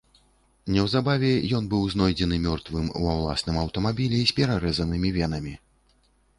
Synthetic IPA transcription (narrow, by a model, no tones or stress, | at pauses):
nʲɛwzabavʲɛjɔnbɨwznɔjd͡zʲɛnɨmʲɔrt̪vɨmṵawlˠa̰snɨmɐwt̪ɐmabʲilʲɛisʲpʲɛɾaɾɛzɐnɨmʲivʲɛn̪ɐmʲi